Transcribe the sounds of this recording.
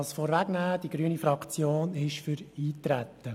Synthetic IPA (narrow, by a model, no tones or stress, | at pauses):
sfɔːɾʋæɡnæːd̥iɡ̥ɾyənifɾɑkʰt͡sjoːnɪʃfʏɾiːt̪ɾæt̪ːə